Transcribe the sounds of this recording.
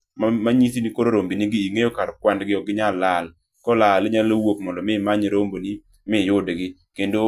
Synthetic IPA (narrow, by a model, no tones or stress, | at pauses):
mamaɲisinikoɾoɾombiniɡiiŋejokaɾkwandɡɪɔɡɪɲalːal | kɔlaleɲalwokmɔndɔmɪmaɲɾomboni | mɪjʊdɡɪ | kendo